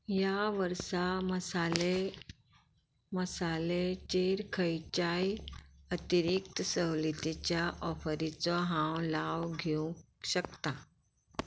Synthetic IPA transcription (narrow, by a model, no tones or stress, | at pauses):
jaʋəɾsaməsale | məsalet͡ɕeɾkʰəjt͡ɕajət̪iɾik̚t̪əsəwlit̪it͡ɕjaʔɔfəɾit͡sɔɦãwlaʋɡʱẽ | ɕəkt̪a